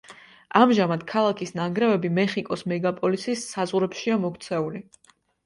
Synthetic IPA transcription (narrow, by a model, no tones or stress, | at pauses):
amʒamad̪̥kʰalˠakʰisnaŋɡɾɛvɛbimɛχikʼɔsmɛɡapʼɔlisisːazʁɾɛpʃiamɔkʰt̪sʰɛuli